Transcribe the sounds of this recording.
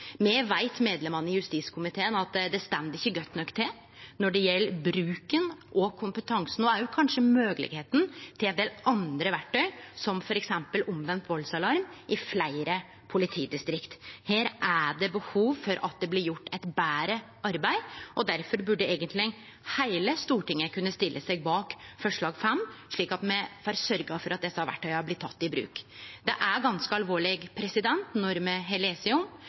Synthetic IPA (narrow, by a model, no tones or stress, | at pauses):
mɛʋæɪt̪meːd̪lɛmɑnəɪjʉst̪iːskʰʊmɪt̪ʰeːənɑt̪d̪ɛst̪ɛmːəd̪ɪçːəɡœt̪ːnɔkːt̪ʰɪ | nɔɖɛjɛlːəbɾʉːkənʔɔkʰʊmpət̪ʰɑŋsn̩ɔæɾjʊkʰɑnʂəmøːɡəlɪ̰ɡheːt̪n̩t̪ʰɪlɛnd̪eːlʔɑnd̪ɾəʋæʈʰːœʏsɔmfɔɾɛksɛmpəlʊmʋɛnt̪ʋɔlsɑlɑɾmʔɪflæɪɾə | pʰʊlɪt̪ʰiːd̪ɪst̪ɾɪkt̪heːɾʔæɖɛbəhuːʋfɔɾɑt̪̚d̪ɛblɪɾjʊʈːɛt̪bæːɾə | ʔɑɾbæɪʔɔd̪æɾfɔɾbʉɖɛeːɡənt̪ʰlɪ | hæɪləst̪uːʈɪŋːəkʉnːəst̪ɪlːəsɛɡ̚bɑːkfɔʂɭɑːɡfɛmːʂɭiːkɑt̪mɛfɑɾsœɾɡɑfɔɾʔɑt̪̚d̪ɛsːəhɑɾʋæ̰ʈʰːɑɪɑblɪt̪ʰːɑt̪ːɪbɾʉ̰ːkd̪̥ɛʔæɾɡɑnskəɑlʋoːɭɪɡpʰɾɛsɪd̪ɛnt̪nɔɾmɛɦɛleːsɪʊm